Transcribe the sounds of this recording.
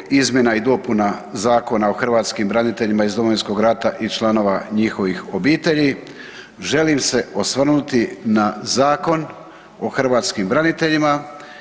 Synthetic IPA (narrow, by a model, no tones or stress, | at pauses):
izmje̞naid̪o̞punazaːko̞naoxr̩ʋaːt̪skimbɾanit̪e̞ʎimaizd̪o̞mo̞ʋinsko̞ɡɾat̪aʔit͡ʃlˠano̞ʋaɲixo̞ʋixo̞biːt̪e̞ʎi | ʒe̞limse̞o̞sʋr̩nut̪inazaːko̞n | o̞xr̩ʋaːt̪skimbɾanit̪e̞ʎima